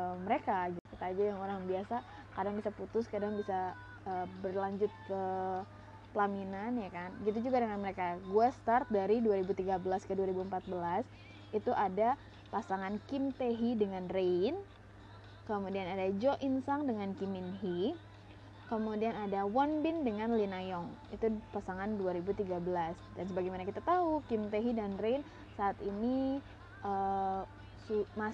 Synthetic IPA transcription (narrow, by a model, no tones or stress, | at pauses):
əməɾekad͡ʒakit̪aːd͡ʒajaŋoɾaŋbiasa | kadaŋbisaput̪ʊskadaŋbisa | əbərlaɲd͡ʒʊt̪̚kə | pəlaminanjakanɡit̪̬ud͡ʒuɡadəŋanməɾekaɡuast̪art̪̚daɾiduaɾibut̪iɡabəlaskəduaɾibuəmpat̪̚bəlas | it̪uʔada | pasaŋankimt̪eɦidəŋanren | kəmudianadad͡ʒɔʔinsaŋdəŋankiminɦi | kəmudianadawɔnbɪndəŋanlinajɔŋit̪upasaŋanduaɾibut̪iɡabəlasdansəbaɡajmanakit̪at̪aukimt̪eɦidanrejn | saːt̪ini | ʔə | suma